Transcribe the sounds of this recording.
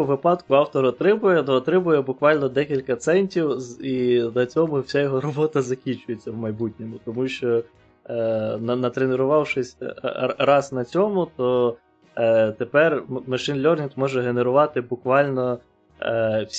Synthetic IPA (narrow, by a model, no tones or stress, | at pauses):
ʋɪpɑd̪kʊɑwt̪ɔɾɔt̪ɾɪmʊjɛt̪ːt̪ɾɪmʊjɛbʊkʋɑlʲnɔd̪ɛkʲilʲkɐt̪sɛnʲtʲiwinɐt͡sʲɔmʊwsʲajɔɦɔɾɔbɔt̪ɐzɐkʲinʲt͡ʃʊjet͡sʲːɐwmɐjbutʲnʲimʊt̪ɔmuʃt͡ʃɔ | nɐnɐt̪ɾeneɾʊʋɑwʃɪsʲrɑznɐt͡sʲɔmʊt̪ɔ | t̪epɛrmɐʃɪnlʲɔrnʲit̪mɔʒɛɦeneɾʊʋɑt̪ɪbʊkʋɑlʲnɔ | wsʲ